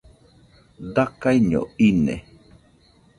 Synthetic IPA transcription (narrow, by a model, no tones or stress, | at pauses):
d̪akajɲo̰inḛ